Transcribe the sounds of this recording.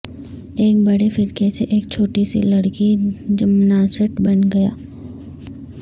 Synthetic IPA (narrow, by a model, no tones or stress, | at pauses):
eːk̚bɐɽefɪɾkeseʔeːk̚t͡ʃʰoːʈisilɐɽkid͡ʒəmnaːsəʈbɐnɡɐja̰ː